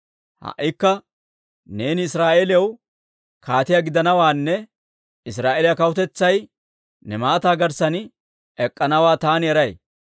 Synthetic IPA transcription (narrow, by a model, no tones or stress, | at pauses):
hɐ̰ʔːɪkːɐ | ne̞ːnɪɪsɾaːʔelɪjɐw | kʰaːt̪ɪjaɡɪd̪ɐnɐwaːnːɛ | ɪsɾaːʔelɪjɐkɐwʊt̪ɛt͡sːɐj | nɛmaːt̪aːɡɐɾsɐn | ɛkʼːɐnɐwaːt̪aːnjɛɾɐj